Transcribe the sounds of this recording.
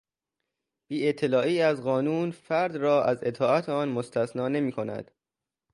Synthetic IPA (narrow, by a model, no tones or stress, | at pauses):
b̥iːet̪ʰːe̞lɒːiːæzɢɒːnuːnfæɾd̪rɒːʔæze̞t̪ʰɒːæt̪ʰeɒːnmost̪ʰæsnɒːne̞miːkʰo̞næ̰d̪̥